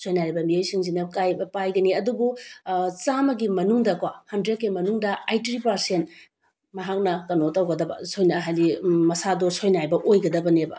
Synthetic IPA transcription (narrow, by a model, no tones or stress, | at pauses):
sojnaɾibɐmijojsiŋzinɐkajbɐpajɡɐniɐdubut͡ʃamɐɡimɐnuŋdɐkwahɐndɾed̚kemɐnuŋdɐajtɾipɐɾsent | mɐɦak̚nɐkɐnotɐwɡɐdɐbɐ̰sojnɐɦajlimɐsadosojnajbɐʔojɡɐdɐbɐnebɐ̰